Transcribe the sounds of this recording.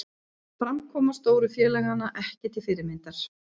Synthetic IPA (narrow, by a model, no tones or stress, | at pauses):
fɾamkʰɔːmast̪oːwɾʏfjɛːlɛɣanːaʔɛhcɪt̪ʰɪlfɪɾɪmɪnt̪aɾ̥